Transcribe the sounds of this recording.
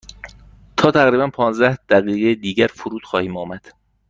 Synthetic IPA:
t̪ʰɒːt̪ʰæɣɾiːbænpʰɒːnzd̪æhd̪̥æɣiːɣejed̪iːɟæɾfoɾuːt̪xɒːhiːmɒːmæd̪̥

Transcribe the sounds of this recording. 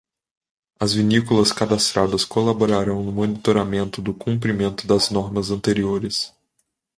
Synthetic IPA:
ɐzvinikulɐskad̪ast̪ɾad̪ɐskolaboɾaɾɐ̃w̃nʊmonit̪oɾamẽnt̪ʊd̪ʊkũmpɾimẽnt̪ʊd̪ɐznɔɾmɐzɐ̃nt̪eɾioɾɪs

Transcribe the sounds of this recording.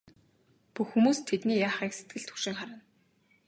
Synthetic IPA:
puxːumuːst̪ʰːet̪niːjaːχiːkset̪̚ɡɘ̆ɮt̪ʰu̥ʃĭŋχaɾə̆n

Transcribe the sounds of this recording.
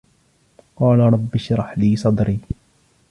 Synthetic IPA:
qɑːlaɳɐbːɪʃɾɑħliːsɑd̪ɾi

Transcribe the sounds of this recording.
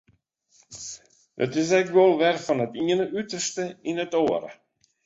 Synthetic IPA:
dɔ̰tɪs̬ɛkʋolˠʋɛrfɔnətiənəʔytərstəinətoəɾə̰

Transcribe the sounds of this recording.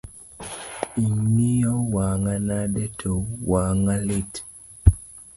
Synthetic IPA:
iɲijowaŋanadɛtʰowaŋalit

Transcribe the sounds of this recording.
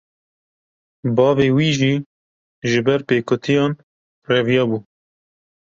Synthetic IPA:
bɑːveːwiːʒiː | ʒɨbɛɾpeːkʊt̪ʰijɑːn | rɛvijɑːbuː

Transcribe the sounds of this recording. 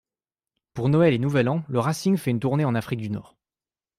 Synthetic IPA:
puʁnɔɛlenuvɛlɑ̃ləʁasiŋfɛynt̪uʁneɑ̃nafχik̚d̪ynɔ̰ːʁ

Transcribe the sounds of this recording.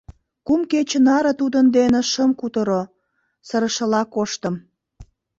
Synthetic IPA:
kumket͡ɕənɑɾə̆t̪ud̪ənd̪eneʃəmkut̪əɾo | səɾə̆ʃə̆lɑkoʃt̪ə̆m

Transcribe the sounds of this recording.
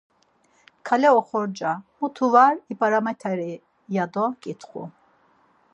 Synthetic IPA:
kʰalɛɔχɔɾd͡ʒamut̪ʰuvaɾipʼaɾamɛt̪ʰɛɾi | jad̪ɔkʼit̪ʰχṵ

